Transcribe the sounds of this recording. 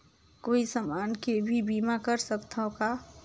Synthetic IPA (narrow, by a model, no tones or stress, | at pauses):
koːisəmaːnkebʱibiːmakəɾsəkt̪ʰaka